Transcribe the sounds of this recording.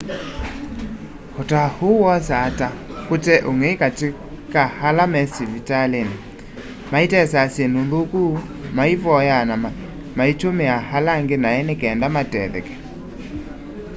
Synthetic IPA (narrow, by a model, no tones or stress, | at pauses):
hotahuwɔs̬atakotɛʔoŋekate | kahalamɛsivitaleni | maitɛsasjenoðokuː | maivɔjanama | mait͡ʃomeahalaŋɡenaɛnekɛːndamatɛ̰ðɛ̰kɛ̥